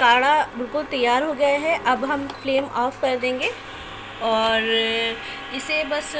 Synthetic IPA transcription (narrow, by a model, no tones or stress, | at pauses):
kaːɽaɪkʊlt̪ɐjːaːɾɦoɡɐjaɦɛʔɐbɦɐmfleːmʔɔːfkɐɾd̪ẽːŋɡeː | ɔːɾ | ɪsebɐs